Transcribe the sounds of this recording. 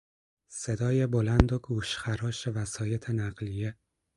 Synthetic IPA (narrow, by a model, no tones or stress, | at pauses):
se̞d̪ɒːjebolænd̪oɡuːʃxæɾɒːʃe̞væsɒːje̞t̪ʰe̞næɢlije